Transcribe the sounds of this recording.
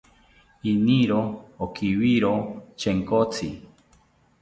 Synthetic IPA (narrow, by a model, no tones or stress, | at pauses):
iniɾoːkiwiɾot͡ʃʰeŋkot͡sʰi